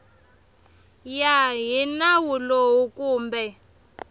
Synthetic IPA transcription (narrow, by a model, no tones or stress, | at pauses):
jaɦinawulowukuːmbɛ